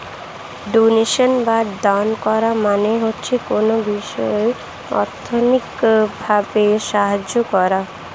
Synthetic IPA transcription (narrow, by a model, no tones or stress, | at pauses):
ɖoneʃonbadankɔɾamaneɦotːɕʰekonobiʃɔe | ɔ̰ɾt̪ʰːonikbʱabeʃaɦad͡ʑokɔɾa